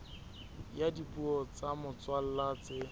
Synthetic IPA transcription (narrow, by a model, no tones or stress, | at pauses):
jadipʼuɔt͡samʊt͡swal̩lat͡sɪ